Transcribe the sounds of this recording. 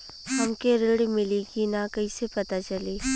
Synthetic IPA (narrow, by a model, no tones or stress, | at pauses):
ɦɐmkeɾɪɽimɪlikinakɐisepɐt̪at͡ʃɐliː